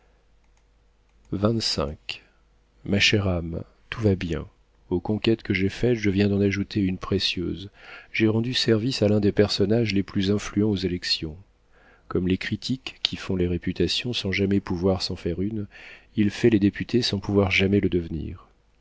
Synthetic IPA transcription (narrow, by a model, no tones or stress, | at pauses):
vɛ̃t̪sɛ̰̃k | maʃɛʁam | t̪ʰuvabjɛ̰̃ | okɔ̃kʲɛt̪kəʒefɛt̪ʒəvjɛ̃d̪ɑ̃naʒut̪eynpχesjø̰zʒɛʁɑ̃d̪ysɛʁvisalɛ̃d̪epɛʁsɔnaʒleplyzɛ̃flyɑ̃ozelɛksjɔ̃ | kɔmlekχit̪ʰikʲːifɔ̃leʁepyt̪asjɔ̃sɑ̃ʒamɛpuvwaʁsɑ̃fɛʁynilfɛled̪epyt̪ʰesɑ̃puvwaʁʒamɛləd̪əvnḭːʁ